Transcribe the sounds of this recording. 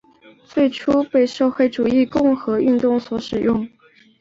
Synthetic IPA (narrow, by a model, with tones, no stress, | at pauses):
t͡swe˥˩ɪʈ͡ʂʰu˥pe˥˧ɪʂɤ˥˧xwe˥˩ɪʈ͡ʂu˨˩i˥˧kʊ˥˧ŋxɤ˧˥y˥˧nt̪ʊ˥˩ŋswɔ˧˥ʂɻ̩˨˩jʊ˥˩ŋ